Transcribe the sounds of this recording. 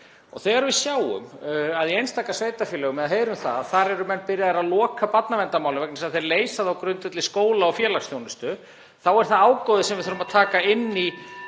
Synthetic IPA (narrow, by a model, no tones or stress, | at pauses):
ɔ̰θɛɣaɾvɪsjaːwʏ̰maðiejnst̪aːkasveːjt̪afjɛlɛːɣʏmːɛðaɦeːjɾʏmθa̰ðaðθaɾɛɾʏmɛnːpɪɾjaðaɾaðlɔːkapat̪navɛnt̪amawlɪvɛknɪsaðθeɾleːjsaðawkɾʏnt̪ʏt̪lɪskoːwlaɔfjɛːlaksθjownɪst̪ʏ | θawɛɾ̥θaaːwkɔðɪsɛmvɪðθʏɾʏmaðt̪ʰaːkaɪnːi